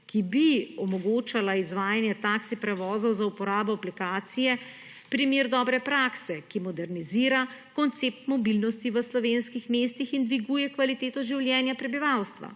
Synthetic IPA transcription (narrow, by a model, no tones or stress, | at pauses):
kibiɔmɔɡoːt͡ʃalaizʋaːjanjɛt̪aksipɾɛʋɔːzɔwzaupɔɾaːbɔaplikaːt̪sijɛ | pɾimeɾd̪ɔːbɾɛpɾaksɛkimɔd̪ɛɾniziːɾakɔnt̪seːp̚t̪mɔbilnɔst̪iʋəslɔʋeːnskixmeːst̪ixind̪ʋiɡuːjɛkʋalit̪eːt̪ɔʒiwljɛːnjapɾɛbiʋawst̪ʋa̰